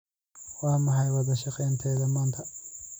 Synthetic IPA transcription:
wɑːmɐɦɑjwɑðɐʃɑqɛjnt̪ʰɛːðɐmaːnt̪ʰɐ

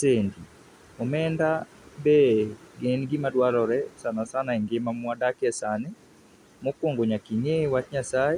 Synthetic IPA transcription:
seːndi | omɛːnda | bɛɡenɡimadwalɔɾɛsanasanaɛŋɡemamwadakɛsanɪ | mokoŋɡoɲakiɲewatɲasae

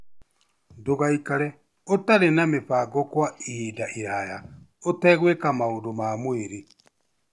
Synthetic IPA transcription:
doɣaikaɾɛ | otaɾenamepaɡɔkwaiidaʔiɾaja | otɛɣwekamaodomamweɾi

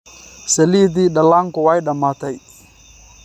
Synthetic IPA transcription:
selit̪̬iɗalaŋkɔwajɗamat̪aj

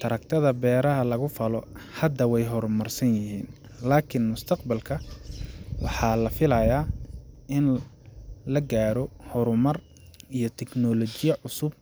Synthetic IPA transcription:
t̪ʰɐɾɐk̚t̪ʰɐðɐbɛːɾɐɦɐlɐɣʊfɐlɔhɐd̪ːɐwɛjɦɔɾmɐrsɐnjɪɦiːn | laːkʰɪnmʊst̪ʰɐqbɐlkʰɐ | wɑħɑːlɐfɪlɐjaːʔɪn | lɐɡaːɾɔhɔɾʊmɐr | ijɔt̪ʰɛknɔlɔt͡ʃɪjɐʕʊsʊb̚

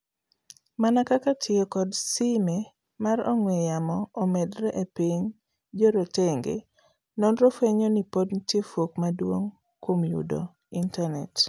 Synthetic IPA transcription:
manakakatʰɪɔkɔdsime | maɾɔ̰ŋwejamɔːmedɾɛʔepiɲ | d͡ʒoɾoteŋɡḛ | nɔnɾofeɲonipodnitjefokmadwoŋ | komjṵdo̰ | intanɛt

